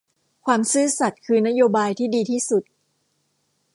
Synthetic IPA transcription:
kʰwaː˧msɯː˥˩sa˨˩t̪̚kʰɯː˧na˦˥joː˧baː˧jt̪ʰiː˥˩diː˧t̪ʰiː˥˩su˨˩t̪̚

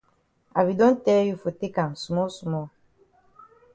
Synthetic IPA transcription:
a˨bi˨dɔ̃˦n˦tɛ˦ju˨fo˨te˦ka˨m˨su˨mɔ˦su˨mɔ˦

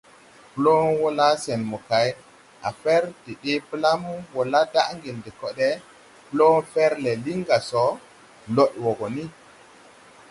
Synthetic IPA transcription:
plɔ˦nwɔ˦la˦sɛ˨nmɔ˨ka˨j | ʔa̰˨fɛ˦ɾdi˨ɗi˦pla˦mu˦wɔ˨la˦da˦ʔŋɡi˨ndɛ˨kɔ˦ɗɛ˦ | plɔ˦nfɛ˦ɾlɛ˨li˦ŋɡa˨sɔ˨ | lɔ˦ɗwɔ˨ɡɔ˨ni˦

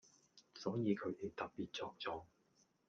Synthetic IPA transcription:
sɔː˨˥jiː˨˧kʰɵ˨˥ɥt̪e˨˧jt̪ɐ˨k̚piː˨t̚t͡sɔː˧k̚t͡sɔː˨˥

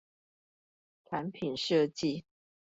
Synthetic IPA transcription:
ʈ͡ʂʰa˨˧˦npʰi˨˩nʂɤ˥˧t͡ɕi˥˨

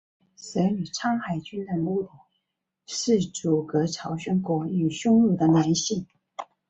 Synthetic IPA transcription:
sə˧˥ɪny˨˩ʈ͡ʂʰɑ˥ŋxa˨˩ɪt͡ɕy˥nd̪ə˧nu˥˩ʈ͡ʂu˨˩˦ | ʂɻ̩˥˩ʈ͡ʂu˨˩kɤ˧˥ʈ͡ʂʰɑ˧˥ʊɕɛ˥˩nkwɔ˧˥ny˨˩ɕʊ˥ŋlu˥˩d̪ə˨nja˧˥nɕi˥˩ŋ

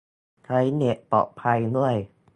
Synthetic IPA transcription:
kʰa˦˧˥jne˨˩ʔ̚pɔ̰ː˨˩pʰa˧jnu˥˩əj

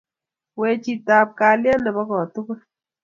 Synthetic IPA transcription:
we˨t͡ʃi˨ta˨p̚ka˨ljɛ˦nɛ˨bɔ˦kɔ˨tu˦kə˦

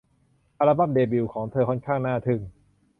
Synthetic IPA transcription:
ʔa˧la˧ba˥˩mdeː˧bi˧˩wkʰɔː˩˦ŋt̪ʰɤː˧kʰɔ˥˩nkʰaː˥˩ŋnaː˥˩t̪ʰɯ˧˩ŋ

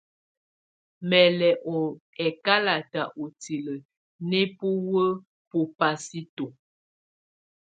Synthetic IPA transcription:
mɛ˨lɛ˨ʔɔ˨ɛ˨ka˦la˨ta˨ʔo˨ti˨lə˨ | nɛ˦pu˦wə˦ | pu˨pa˦si˦to˨

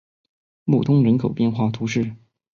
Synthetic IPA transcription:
mṵ˥˨˩t̪ʰʊ˥ŋɻə˧˥nkʰo˨˩ʊpjɛ˥˧nxwa˥˩t̪ʰu˧˥ʂɻ̩˥˩

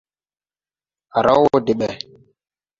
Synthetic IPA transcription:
a˨ɾa˦wwo˦de˨ɓɛ˨

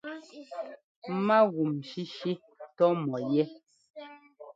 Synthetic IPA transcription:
ma˦ɣu˨mʃi˦ʃi˦ | tɔ˦mɔ˨jɛ˦

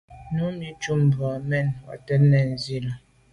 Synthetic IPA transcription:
nu˨˦mi˦t͡ʃu˦m̩˨ba˨mɛ˦˨nwa̰˨tɛ˦nɛ˨n̩˨zi˦la˨

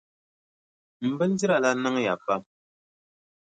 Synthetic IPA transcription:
m̩˨bɨ˦ldi˦ɾa˨la˦nɨ˦ŋ˦ja˨pa˦m

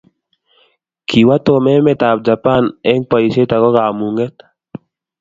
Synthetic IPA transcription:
kʰi˨wa˦t̪o˨mɛ˦mɛ˦t̪a˨b̚d͡ʒa˨pa˦nɛ˦ŋpa˨i˨se˦t̪a˨kɔ˦ka˨mu˨ŋɡɛ˦t̪

